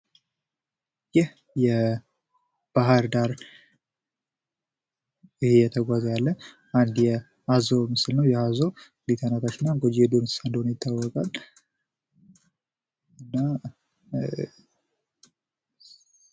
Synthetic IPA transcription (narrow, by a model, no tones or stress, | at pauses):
jɪh | jɛ | b̥aɦaɾd̪aɾ | ɪhejɛt̪ʰəɡʷazəjalːə | ʔand̪jɛ | azomɨsɨlnəwjɛhazo | lit̪ʰanat̪ʰat͡ʃːɪnːaɡod͡ʒed̪onsand̪onjɪt̪ʰːawːɔkʼal | ɨnːa